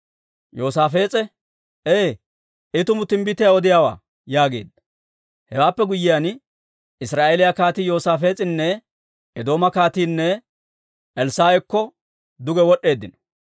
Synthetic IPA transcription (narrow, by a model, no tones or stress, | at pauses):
jo̞ːsaːfe̞ːt͡sʼɛ | eː | ʔɪt̪ʊmʊt̪ɪmbɪt̪ɪjaɔd̪ɪjawa̰ː | jaːɡe̞̰ːd̪ːɐ̥ | hɛwaːpːɛɡʊjːɪjan | ɪsɾaːʔeːlɪjakaːt̪iːjo̞ːsaːfe̞ːt͡sʼɪnːɛ | ɛd̪o̞ːmɐkaːt̪iːnːɛ | ʔɛlsaːwɛkːɔ | d̪ʊɡɛwɔɗːe̞ːd̪ːɪnɔ̥